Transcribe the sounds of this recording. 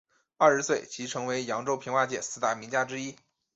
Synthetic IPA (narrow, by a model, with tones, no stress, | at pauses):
a˞˥˧˩ʂ̩˧˥swe˥˩ɪt͡ɕʰi˧˥ʈ͡ʂʰɤ˧˥ŋwe˧˥ɪjɑ˧˥ŋʈ͡ʂo˥ʊpʰi˧˥ŋwa˥˧t͡ɕjɛ̰˥˩sɹ̩˥˧˩t̪a˥˩mi˧˥ŋt͡ɕja˥ʈ͡ʂɻ̩˥i˥